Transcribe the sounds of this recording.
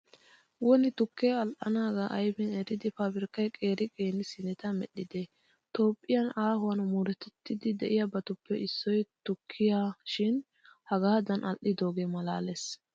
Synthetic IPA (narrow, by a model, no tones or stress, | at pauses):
wɔnɪt̪ʊkːeɐlʔɐnaːɡaʔɐjbɪnɛɾɪd̪ɪfabɪɾkːɐjkʼe̞ːɾɪkʼeːnːɪsɪnɛt̪ɐmɛ̰ɗːɪd̪e | t̪o̞ːpʼːɪjɐnaːhʊwɐnmuɾɛt̪ɛt̪ːɪd̪ɪd̪ɛʔɪjabɐt̪ʊpːɛʔɪsːɔjt̪ʊkʰːɪjaʃɪn | hɐɡaːd̪ɐnʔɐlʔɪd̪o̞ːɡeːmɐla̰ːles